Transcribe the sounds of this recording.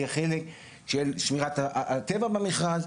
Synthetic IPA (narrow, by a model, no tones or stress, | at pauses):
aχelek | ʃelʃmiʁat̪at̪evabameχlal